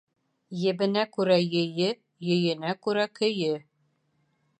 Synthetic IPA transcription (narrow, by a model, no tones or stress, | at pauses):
jɘ̆bɘ̆nækʉɾæjɘ̆jɘ | jɵ̆jɘ̆nækʉɾækɵ̆jɘ